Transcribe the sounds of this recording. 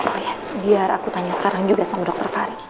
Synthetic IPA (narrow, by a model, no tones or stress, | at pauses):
ɔja | biaɾa̰kut̪aɲasə̥kaɾaŋd͡ʒuɡasamadɔk̚t̪ɔrfaɾi